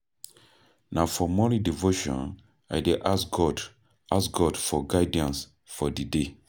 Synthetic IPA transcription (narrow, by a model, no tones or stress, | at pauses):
nafɔmɔlidivoʃɔ̰̃n | ajdeʔasɡɔd | ʔasɡɔdfɔɡaɪdiãns | fɔdide